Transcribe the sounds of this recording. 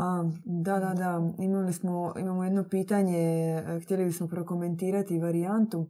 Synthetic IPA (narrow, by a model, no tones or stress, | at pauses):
ad̪ad̪ad̪aimalismo̞ḭmamojed̪no̞piːt̪aɲext̪jelibismo̞pɾo̞ko̞me̞nt̪iːɾat̪iʋaɾiant̪u